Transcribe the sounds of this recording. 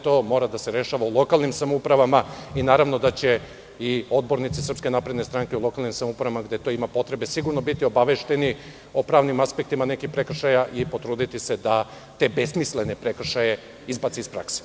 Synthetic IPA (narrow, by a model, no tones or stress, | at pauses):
t̪o̞ːmo̞ɾad̪ase̞ɾe̞ʃaʋaulˠo̞kalˠnimsamoupɾaʋamainaːɾaʋno̞d̪at͡ɕe̞ | io̞d̪̚bo̞ɾnit̪sisr̩pske̞naːpɾe̞d̪ne̞st̪ɾaŋkeulˠo̞kalnimsamoupɾaʋamaɡd̪e̞t̪o̞ːimapo̞t̪ɾe̞be̞siɡuɾno̞bit̪io̞baʋe̞ʃt̪e̞ni | opɾaːʋnimaspe̞k̚t̪imane̞kipɾe̞kr̩ʃajaʔipo̞t̪ɾuːd̪it̪ise̞d̪a | t̪e̞be̞smisle̞ne̞pɾe̞kr̩ʃaje̞ | izbat̪siispɾa̰kse̥